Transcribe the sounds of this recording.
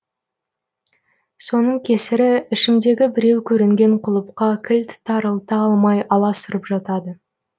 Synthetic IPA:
so̞nəɴkʲʰe̞sɪɾɪɪʃɪmd̪e̞ɡʲɪbɪɾe̞wkʲʰɵɾɪŋɡʲe̞ɴqʰʊlˠəp̚qɑkʲʰɪlt̪ɪ̥t̪ʰːɑɾəlˠt̪əɑlˠmɑjɑlˠɑsʊɾəpʒɑt̪ɑd̪ə

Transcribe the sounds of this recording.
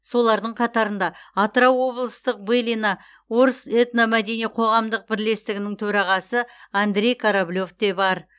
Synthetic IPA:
so̞lˠɑɾd̪əɴqʰɑt̪ɑɾənd̪ɑat̪rawːo̞blˠəst̪əq̚belinɑ | wo̞ɾəset̪namæd̪e̞nijqʰo̞ʁɑmd̪əq̚bɪɾle̞st̪ɪɡʲɪnɪŋt̪ʰɵɾɑʁɑsəand̪ɾe̞jkʰaɾablʲo̞ft̪e̞bɑɾ

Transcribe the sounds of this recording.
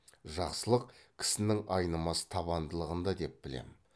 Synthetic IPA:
ʒɑqsəlˠəq̚kʲʰɪ̥sɪnɪŋɑjnəmɑsə̥t̪ʰɑβɑnd̪əlˠəʁənd̪ɑd̪e̞p̚b̥ɪle̞̰mɪ

